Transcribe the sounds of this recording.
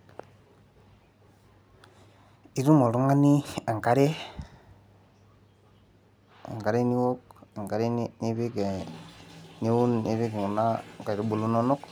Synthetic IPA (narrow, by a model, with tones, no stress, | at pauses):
i˦ɾu˦mo˨ɾu˦ŋa˦ni˦a˨ŋka˦ɾe˦ | a̰˨ŋka˨ɾe˦ni˦wo˦k̚a˨ŋka˨ɾe˦ni˦bi˦ke˨ | ni˦wu˦ni˦βi˦ke˨ŋu˨na˦ka˨ɾi˨bu˨lu˦no˦no˦k